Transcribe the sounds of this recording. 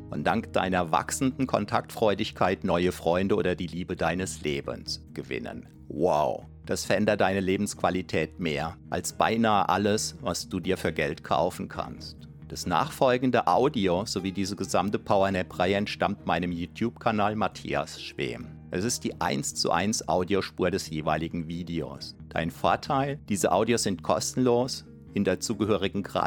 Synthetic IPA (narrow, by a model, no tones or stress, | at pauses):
ʊ̰nd̥aŋkd̥a̰ɪnɐva̰ksn̩dn̩kʰɔntʰa̰ktfʁ̥ɔʏdɪçkʰaɪtnɔʏəfʁ̥ɔʏndəʔoːdɐdiːliːbədaɪnəslʔeːbə̰nsɡ̥əvɪ̰nə̰n | wa̰ʊ | d̥asfɛɐʔɛndɐtd̥aɪnəleːbm̩skv̥alitʰɛːtmeːɐʔalsb̥a̰ɪnaːəʔa̰ləsvasd̥uːdiːɐfyːɐɡɛltkʰa̰ʊfn̩kʰa̰nst | d̥asna̰ːχfɔlɡŋ̩dəʔaʊdioz̥oviːdiːzəɡəzamtəpʰaʊɐnɛpʁaɪəɛntʃtamtmaɪnəmjuːtʰjuːp̚kʰanaːlmatʰḭːa̰sʃv̥ḛːmʔɛsɪst̚d̥iːʔa̰ɪnst͡sṵʔa̰ɪnsʔa̰ʊdioʃpuːɐdɛsjeːvaɪlɪɡŋ̩viːdeo̰ːsd̥a̰ɪnfoːɐtʰaɪld̥iːzəʔaʊdiosz̥ɪntkʰɔ̰stn̩loːs | ʔɪndaɐt͡suːɡəhøːʁ̞ɪɡŋ̩ɡʁa̰ː